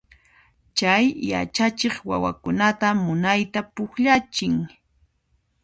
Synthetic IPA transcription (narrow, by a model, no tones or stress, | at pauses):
t͡ʃajja̰t͡ʃat͡ʃeχwa̰wa̰kʊnat̪amʊnajt̪apʊkʎat͡ʃɪŋ